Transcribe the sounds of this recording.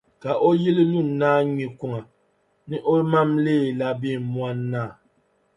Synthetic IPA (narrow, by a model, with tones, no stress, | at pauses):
ka˨ʔo˦ji˦li˦lu˦˨nː˨aː˦ɲi˨ku˦ŋa˨ | nɨ˦ʔo˦ma˦mleː˦˨la˦bi˦˨mwa˦nːaː˦˨